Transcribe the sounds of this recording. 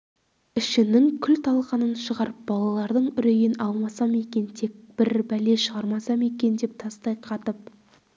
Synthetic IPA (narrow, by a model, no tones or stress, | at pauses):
ɪʃɪnɪŋkʲʰʏlt̪ʰɑlˠqɑnənʃəʁɑɾəp̚bɑlˠɑlˠɑɾd̪əɴʏɾejɪnɑlˠmɑsɑme̞kʲe̞nt̪ʰe̞k̚b̥ɪɾbæle̞ʃəʁɑɾmɑsɑme̞k̬ʲe̞nd̪e̞p̚t̪ʰɑst̪ɑjqʰɑt̪əp̚